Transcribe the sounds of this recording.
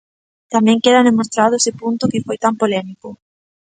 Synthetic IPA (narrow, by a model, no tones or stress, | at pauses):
t̪amɛ̃ŋkeðanðemost̪ɾaðʊesɪpunt̪ʊkɪfojt̪ampolɛmikʊ